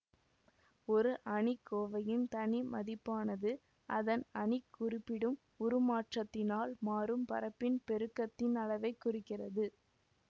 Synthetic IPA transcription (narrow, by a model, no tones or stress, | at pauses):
ɔɾɯʔɐɳɪkːoːʋɐjɪnt̪ɐɳimɐðɪpːaːnɐðɯ | ʔɐðɐnɐɳɪkːʊrɪpːɪɽɯm | ʊɾɯmaːʈrɐt̪ːɪnaːlmaːɾɯmpɐ̰ɾɐpːɪnpɛɾɯkːɐt̪ːɪnɐlɐʋɐɪkːʊrɪkːɪrɐðɯ